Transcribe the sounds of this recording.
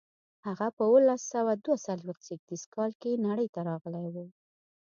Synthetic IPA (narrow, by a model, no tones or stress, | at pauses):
haɣapəwəlasawad̪wasalwext̪seɡ̚d̪iskɑlkenaɽəjt̪aɾɑɣəlajwu